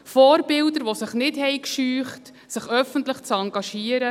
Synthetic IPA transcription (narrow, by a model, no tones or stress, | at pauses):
fɔːɾbɪldəɾʋosɪχnɪthɛjkʃyːχt | sɪχœfəntləχt͡sɑŋɡɑʃiːəɾə